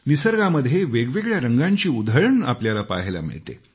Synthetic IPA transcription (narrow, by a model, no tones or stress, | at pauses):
nisəɾɡaməd̪ʱːjeʋeɡʋeɡɭjaɾəŋɡaɲt͡ɕiːud̪ʱəɭəɳapljalapa̰ɦela̰mḭɭt̪ḛ